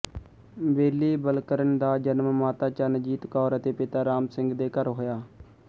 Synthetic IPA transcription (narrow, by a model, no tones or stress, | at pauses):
beːliːbəlkəɾənd̪aːd͡ʒənmmaːt̪aːt͡ʃaːnəd͡ʒiːt̪kɔːɾət̪eːpɪt̪aːɾaːmsɪŋɡd̪eːkəɾɦoːjaː